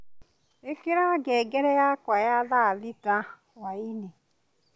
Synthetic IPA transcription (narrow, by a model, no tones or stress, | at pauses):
ekiɾaɡeɡeɾejakʷajalalita | waine